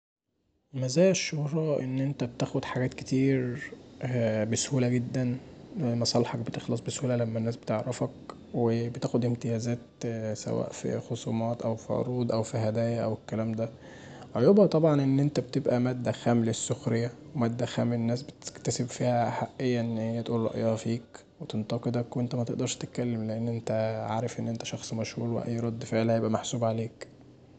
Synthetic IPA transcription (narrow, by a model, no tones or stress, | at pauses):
mæzæːjæʃːohɾˤɑʔḛnːʔent̪æbt̪æːxod̪ħaɡæːt̪ket̪iːɾ | beshuːlæɡed̪ːænmɑsˤɑlħɑk̚bet̪exlɑsˤbeshuːlælæmːænːæːsbet̪eʕɾefæk | webet̪æːxod̪ʔemt̪ejæːzæːt̪sæ̰wæ̰ːʔfḭxosˤṵːmɑːt̪ʔæwfiʕo̰ɾˤuːd̪ˤʔæwfiɦæd̪æːjæʔæwekːælæːmd̪æ | ʕojobhɑt̪ˤɑbʕɑnʔenːʔent̪æbt̪ebʔæmæd̪ːæxæːmlesːoxɾejːæwemæd̪ːæxæːmenːæːsbet̪kt̪æsebfiːhæħaʔːejːæʔenːhejːæt̪ʔuːlːɑ̰ʔjɑːfiːk | wet̪ent̪ɑqed̪ækwent̪æmæt̪eʔd̪ɑɾˤʃt̪et̪̚kælːemleʔenːʔent̪æʕa̰ːɾefʔenːʔent̪æ̥ʃɑxsˤmæʃhuːɾwḛʔæ̰jːɾˤɑd̪ːfeʕlæhæjebʔæmaħsuːbʕaleːk